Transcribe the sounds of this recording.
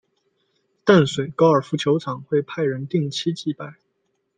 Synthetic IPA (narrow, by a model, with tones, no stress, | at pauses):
t̪a˥˩nswe˨˩ɪkɑ˥ʊə˞˨˩fu˧˥t͡ɕʰjo˧˥ʊʈ͡ʂʰɑ˨˩ŋxwe˥˧ɪpʰa˥˩ɪɻə˧˥nt̪i˥˧ŋt͡ɕʰi˥t͡ɕi˥˧pa˥˩ɪ